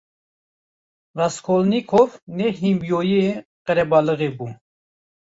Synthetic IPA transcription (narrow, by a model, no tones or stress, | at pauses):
raskʰolnikʰovnɛɦimbjojieqəɾɛbɑləɣebu